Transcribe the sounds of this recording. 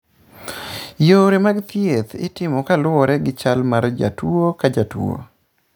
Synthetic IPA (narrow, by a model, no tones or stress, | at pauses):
joɾemaɡt̪jet̪ɪ̰tɪmɔkalwɔɾɛɡɪt͡ʃalmaɾd͡ʒa̰twuokad͡ʒatwo̰